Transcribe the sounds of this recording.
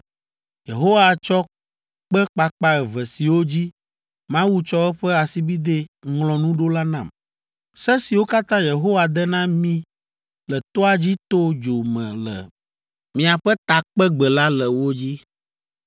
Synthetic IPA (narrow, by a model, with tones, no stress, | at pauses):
je˨ɦo˦wa˨t͡ʃɔ˦ | k͡pɛ˦k͡pa˦k͡pa˦ɛ˨vɛ˨si˨wo˦d͡ʑi˦ | mã˦wu˦t͡ʃɔ˦ɛ˦ɸɛ˦a˨si˦bi˦d̪e˦ŋlɔ̃˨nũ˦ɖo˦la˦nã˨m | sɛ˦si˨wo˦ka˦t̪ã˦je˨ɦo˦wa˨d̪ɛ˦nã˦mĩ˦ | lɛ˨t̪ɔ˦a˨d͡ʑi˦t̪o˦d͡ʒo˨mɛ̰̃˨lɛ̰˨ | mĩ˨a˨ɸɛ˦t̪a˨k͡pɛ˦ɡ͡bɛ˨la˦lɛ˨wo˦d͡ʑi˦